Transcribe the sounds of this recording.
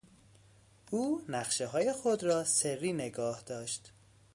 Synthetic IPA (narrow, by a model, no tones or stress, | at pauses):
ʔuːnæχʃeɦɒːje̞xod̪ɾɒːserːiːne̞ɡɒːhd̪̥ɒːʃt̪